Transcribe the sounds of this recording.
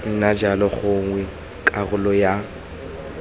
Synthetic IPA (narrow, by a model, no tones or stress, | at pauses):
n̩nad͡ʒalɔχʊŋwɛ | kʼaɣʊlɔja